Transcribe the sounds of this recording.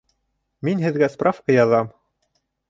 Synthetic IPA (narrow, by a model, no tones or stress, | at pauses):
minɦɘ̆ðɡæsprʔafkɤjɑðɑm